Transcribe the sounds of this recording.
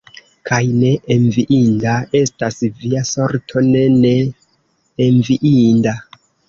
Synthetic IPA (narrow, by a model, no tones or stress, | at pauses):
kʰajne̞ʔeɱviʔindae̞stasviaso̞ɾtʰo̞ne̞ne̞ː | ɱviʔinda